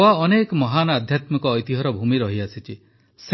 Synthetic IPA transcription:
aɔnekɔmɔɦanad̪ʱjat̪mikɔːjt̪iɦɔɾɔbʱumiɾɔɦiasit͡ʃi | s

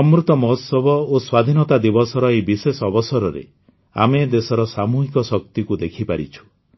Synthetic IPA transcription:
ɔmɾut̪ɔmɔɦɔt̪sɔbɔoswad̪ʱinɔt̪ad̪ibɔsɔɾɔejbisesɔbɔsɔɾɔɾḛ | a̰med̪esɔɾɔsamuɦikɔsɔk̚t̪ikud̪ekʰipaɾḭt͡ʃʰu̥

